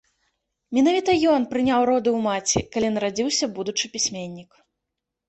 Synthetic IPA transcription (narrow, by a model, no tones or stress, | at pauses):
mʲinavʲit̪ɐjɔnpɾɨnʲawɾɔd̪ɨwmat͡sʲḭkalʲinɐɾad͡zʲiwsʲɐbud̪ut͡ʂɨpʲisʲmʲenʲːik